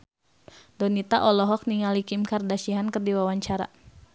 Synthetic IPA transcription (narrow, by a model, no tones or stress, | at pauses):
dɔnit̪aʔɔlɔɦɔk̚niŋalikimkardasiɦankərdiwawaɲt͡ʃaɾa̰